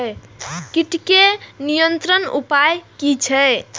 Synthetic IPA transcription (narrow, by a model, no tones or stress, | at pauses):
kiʈkenijənt̪ɾənṵpajkit͡ʃʰəj